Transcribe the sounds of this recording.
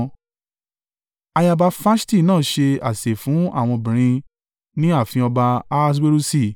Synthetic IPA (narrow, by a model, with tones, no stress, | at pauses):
a˧ja˧ba˧fa˦ʃti˦˨nãː˦˨˦ʃe˧a˨se˨fũ˨˦a˦˨w̃ɔ̃˧bĩ˨ɾ̃ĩ˧ | nĩ˦a˦˨fĩ˧ɔ˧ba˧a˦s̬we˦ɾu˦si˦˨